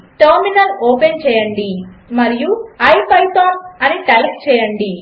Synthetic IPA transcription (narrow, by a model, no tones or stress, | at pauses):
ʈɐːɾminɐloːpent͡ʃɛːjɐɳɖimɐɾijuɐjpɐjt̪oːnɐniʈɐlk̚t͡ʃɛːjɐɳɖi